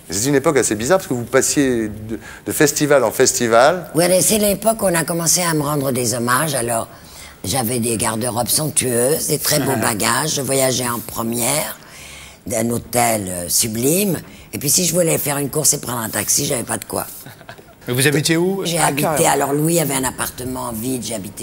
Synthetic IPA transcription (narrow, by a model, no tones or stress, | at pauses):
set̪ɛynepɔkasebizaʁpḁskəvupasjed̪əd̪̥əfɛst̪ivalɑ̃fɛst̪ivalwinɛsɛaepɔkɔ̃nakɔmɑ̃seaməʁɑ̃d̪ʁəd̪ezɔmaʒalɔʁ | ʒavɛd̪eɡaʁd̪əʁɔbsɔ̃k̚t̪yøzd̪et̪χɛbobaɡaʒʒəvwajaʒɛɑ̃pχəmjɛʁ | d̪ɛ̃not̪ɛløsyblim | epɥisiʒəvulɛfɛʁynkuʁsepχɑ̃d̪ʁɛ̃t̪aksiʒavɛpad̪əkwa̰ | mevuzabit̪euʒeabit̪ealɔʁlwiavɛɛ̃napaʁt̪əmɑ̃vid̪ʒeabit̪e